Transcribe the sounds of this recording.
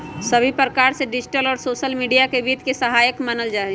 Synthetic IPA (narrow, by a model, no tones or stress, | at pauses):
səbʱipɾəkaːɾseɖɪd͡ʒʈəlɔːɾsoːʃəlmiɖijakebiːd̪ʱkesəɦaːjəkmənəld͡ʒaːɛ